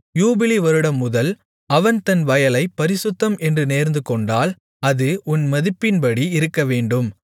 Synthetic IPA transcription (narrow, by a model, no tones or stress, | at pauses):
juːbɪliʋɐɾɯɽɐmːʊðɐl | ɐʋɐnt̪ɐnʋɐjɐlɐɪpɐɾɪsʊt̪ːɐmʔɛndrɯneːɾnd̪ɯkɔɳɖaːl | ɐðɯʔʊnmɐðɪpːɪnpɐɽiɪɾɯkːɐʋeːɳɖɯm